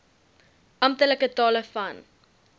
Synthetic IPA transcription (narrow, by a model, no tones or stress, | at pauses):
ʔɐmp̚tələkətɑːləfɐn